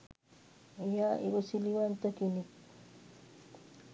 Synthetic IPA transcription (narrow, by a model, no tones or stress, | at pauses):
jaʔɪ̰ɾʊsɪlɪwant̪akɪnɪk